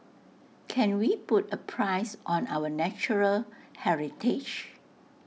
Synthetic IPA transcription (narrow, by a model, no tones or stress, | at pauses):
kʰɛ̃nwiputəpʰɹaɪsʔɔ̃nawənɛt͡ʃuɹəlhɛɹitʰɪd͡ʒ